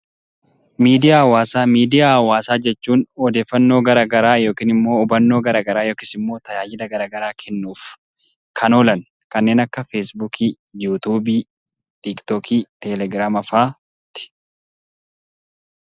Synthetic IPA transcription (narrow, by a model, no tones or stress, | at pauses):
miːd̪ɪjaːɐwaːsaːmiːd̪ɪjaːwaːsaːd͡ʒɛt͡ʃːuːnɔd̪eːfːɐnːoːɡɐɾaːɡɐɾaːjo̞ːkiːnɪmːo̞ːʊbɐnːoːɡɐɾaːɡɐɾaːjo̞ːkɪsɪmːo̞ːt̪ɐjaːjɪd̪ɐɡɐɾaːɡɐɾaːkʰɛnːuːf | kʰɐnoːlɐn | kɐnːeːnɐkːɐfeːsbukʰiː | juːt̪uːbiː | t̪ɪkt̪okʰiːt̪ɛlɛɡɾaːmɐfaː | t̪ɪ̥